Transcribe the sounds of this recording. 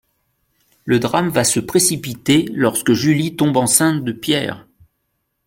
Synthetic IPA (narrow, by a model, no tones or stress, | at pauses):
ləd̪ʁamvasəpχesipit̪elɔʁskəʒylit̪ɔ̃bɑ̃sɛ̃t̪̚d̪əpjɛ̰ːʁ